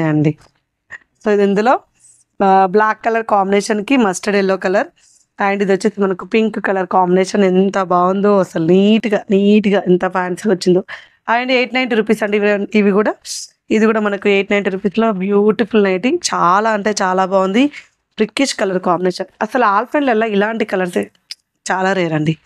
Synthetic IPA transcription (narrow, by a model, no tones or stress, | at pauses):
ɐɳɖi | soːid̪ind̪ulo̞ː | blaːkːɐlɐɾkaːmbineːʃɐnkimɐsʈɐɖeːloːkɐlɐɾ | ɐːjɐɳɖid̪ʋɐt͡ʃːet̪emɐnɐkupiŋkkɐlɐɾkaːmbineːʂɐnent̪ɐbaːʋund̪oːɐsɐlniːʈiɡaːniːʈiɡaːint̪ɐpʰaːnsʋɐt͡ʃːind̪o | aːjɐɳɖieːʈnɐjɳʈɾupiːsɐɳɖiʋiʋikuːɽaː | id̪ikuːɽaːmɐnɐkueːʈnɐjɳʈɾupiːslo̞ːbjuːʈipʰulnɐjʈiŋt͡ʃaːlaːɐɳʈe̞ːt͡ʃaːlaːbaːʋund̪i | b̥ɾikːiʃkɐlɐɾkaːmbineːʃɐnɐsɐluaːlpʰeɳɖlɛlːaːilaːɳʈikɐlɐɾse | t͡ʃaːlaːɾeːɾɐɳɖi